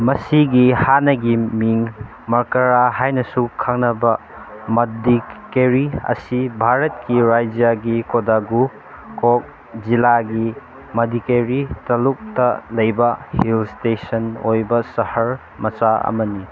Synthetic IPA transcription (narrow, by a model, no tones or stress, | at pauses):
mɐsiɡihanɐɡimiŋ | mɐɾkɐɾaɦajnɐsukʰaŋnɐbɐ | mɐdikeɾiɐ̰sibʱaɾɐt̚kiɾajd͡ʒjaɡikodaɡu | kok̚ | zilaɡi | mɐdikeɾitɐluk̚tɐlɐjbɐhilstesɐnojbɐsɐhɐɾ | mɐt͡ʃaɐ̰mɐni